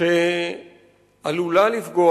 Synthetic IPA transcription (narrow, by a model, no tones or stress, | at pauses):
e | alulalifɡo